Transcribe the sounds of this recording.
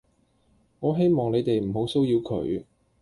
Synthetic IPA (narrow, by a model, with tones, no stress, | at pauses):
ŋɔː˨˧ɦe˥jmɔː˨ŋne˨˧jt̪e˨jm̩˨˩ɦo˨˥wso˥wjiː˨˧wkʰɵ̰˨˥ɥ